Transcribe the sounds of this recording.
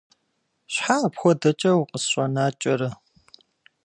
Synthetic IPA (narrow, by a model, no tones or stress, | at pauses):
ɕħaːpxʷɔdɐt͡ʃʼɐwqʼəsɕʷʼɔnaːt͡ʃʼɐɾɐ